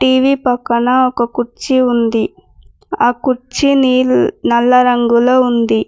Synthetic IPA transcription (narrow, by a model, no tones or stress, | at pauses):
ʈiːʋiːpɐkːɐnɐɔkɐkuɾt͡ʃiund̪i | aːkuɾt͡ʃiniːnɐlːɐɾɐŋɡuloːund̪i